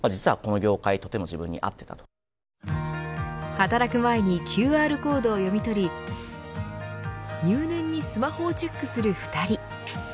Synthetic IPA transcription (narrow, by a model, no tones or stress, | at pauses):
mad͡ʑit͡sɨβa̰ko̞no̞ɡʲo̞ːkait̪o̞t̪e̞mo̞d͡ʑibɯ̟̃ɲ̟ːḭʔa̰t̪ːe̞̥t̪a̰t̪o̥ | hat̪aɾakɯ̟mae̞ɲ̟ikʲʰɨːaːɾɯ̟ko̞ːd̪o̞ːjo̞mʲit̪o̞ɾʲi | jɨːnẽ̞ɲ̟ːisɨmaho̞ːt͡ɕekːɯ̟sɨɾɯ̟ɸɯ̟̥t̪aɾʲi